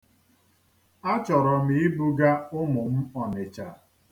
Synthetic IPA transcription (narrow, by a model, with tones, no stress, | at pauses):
a˦t͡ʃɔ˨ɾɔ˨mi˨ɪ˦bu˦ɡa˦ʊ˦mʊ˨m̩˦ɔ˨nɪ˨t͡ʃa˨